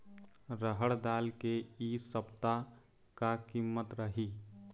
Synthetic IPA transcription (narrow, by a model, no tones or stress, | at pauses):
ɾəɦəɽd̪aːlkeisəpt̪a | kakimːət̪ɾəɦi